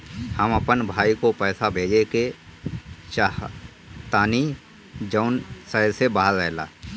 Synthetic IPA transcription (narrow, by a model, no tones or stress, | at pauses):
həmɐpənbʱaːikopɛːsabʱeːd͡ʒeke | ʃah | t̪aːni | d͡ʒəʊnsəːɪlsebaːɦəɾɛːla̰ː